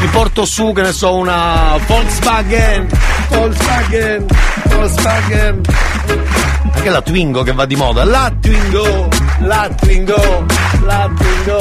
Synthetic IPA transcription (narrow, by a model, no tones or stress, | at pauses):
mipɔrt̪osukenːesɔunafɔlsvaɡɛnfɔlsvaɡɛnfɔlsvaɡɛn | aŋkelat̪wiŋɡokevːad̪ːimɔ̰ːd̪alat̪ːwiŋɡo | lat̪ːwiŋɡo | lat̪wiŋɡo